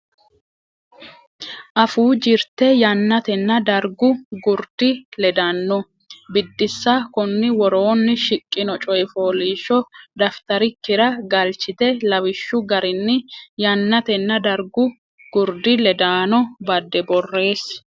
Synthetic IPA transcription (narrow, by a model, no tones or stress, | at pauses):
ʔɐfuːd͡ʒɪɾt̪ɛjɐnːɐt̪ɛnːɐd̪ɐɾɡʊɡʊɾd̪̥ɪlɛd̪ɐnːɔ | bɪd̪ːɪsːakʊnːɪwɔɾo̞ːnːɪʃɪkʼːɪnɔt͡ʃʼɔjfoːliːʃɔd̪ɐft̪ɐɾɪkːɪɾɐɡɐlt͡ʃːɪt̪ɛlɐwɪʃːʊɡɐɾɪnːɪjɐnːɐt̪ɛnːɐd̪ɐɾɡʊ | ɡ̥ʊɾd̪ɪlɛd̪aːnɔbɐd̪ːɛbɔrːe̞ːs